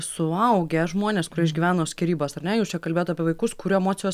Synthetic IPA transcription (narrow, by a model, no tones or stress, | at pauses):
sʊɐʊɡʲɛʒmoːnʲeːskʊɾʲiɛɪʒʲɡʲiʋʲæːnoːsʲkʲɛɾʲiːboːsɐɾnʲɛjuːst͡ʃʲɛkɐlʲbʲeːot̪ɐːpʲiɛʋɐɪkʊskʊɾʲuɛmoːtsʲɪjoːs